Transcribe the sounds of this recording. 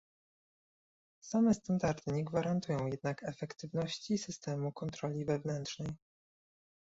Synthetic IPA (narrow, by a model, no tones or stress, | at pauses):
samɛst̪and̪aɾd̪ɘɲɛɡvaɾant̪ujɔ̃w̃jɛd̪nakɛfɛkt̪ɘvnɔɕt͡ɕisɘst̪ɛmukɔnt̪ɾɔlʲivɛvnɛnt̪ʂnɛj